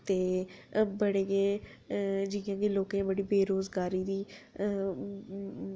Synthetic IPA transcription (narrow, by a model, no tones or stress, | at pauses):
t̪eːbəɽeːɡeː | d͡ʒɪãːɡeːloːkẽːbəɽiːbeːɾoːzɡaːɾiːd̪iː